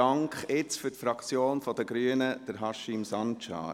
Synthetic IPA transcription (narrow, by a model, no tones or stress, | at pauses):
ɑŋkχɪt͡sfʏtfɾɑkt͡sjoːnfɔdəɡɾyənəd̥əɾɦɑʃɪmsɑnt͡ʃɑ̰ː